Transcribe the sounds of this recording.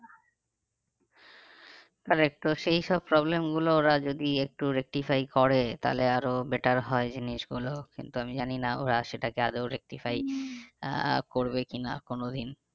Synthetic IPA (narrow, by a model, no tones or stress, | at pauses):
t̪aɾek̚ʈoʃejʃɔb̚pɾɔblemɡulooɾad͡ʑod̪iek̚ʈuɾek̚ʈifajkɔɾet̪a̰leaɾobeʈaɾɦɔed͡ʑiniʃɡulokḭnt̪uamid͡ʑaninao̰ɾaʃeʈakead̪oɾek̚ʈifʰaj | koɾbekina̰konod̪in